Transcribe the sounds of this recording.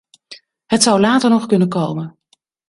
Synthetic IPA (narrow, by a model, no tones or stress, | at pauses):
ɦətsʌwlaːtəɹnɔχkɵnənkowmən